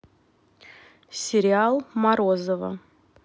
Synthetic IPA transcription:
sʲeɾʲialˠmaɾozovə̰

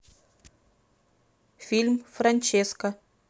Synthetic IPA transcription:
fʲilʲmfɾɐnʲt͡ɕeskə

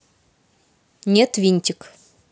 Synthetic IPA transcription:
nʲet̪vʲinʲt̪ʲɪk

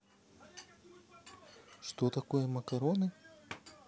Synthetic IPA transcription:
ʂt̪ot̪ɐkojɛmɐkɐɾonɨ

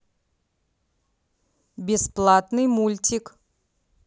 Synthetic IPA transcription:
bʲɪsplˠat̪nɨjmulʲtʲik

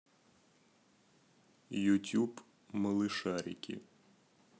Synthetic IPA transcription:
jutʲub | mɐlˠɪʃɑɾʲɪ̰kʲḭ

